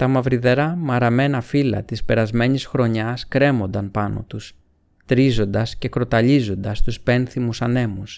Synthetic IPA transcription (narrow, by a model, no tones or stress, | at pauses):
t̪ɐmɐvɾiðe̞ɾɐmɐɾɐme̞nɐfilɐ̰t̪ispe̞ɾɐzme̞ɲisxɾo̞ɲɐskɾe̞mo̞nd̪ɐnpɐno̞̰t̪us | t̪ɾizo̞nd̪ɐsce̞kɾo̞t̪ɐʎizo̞nd̪ɐst̪uspe̞nθimusɐne̞mus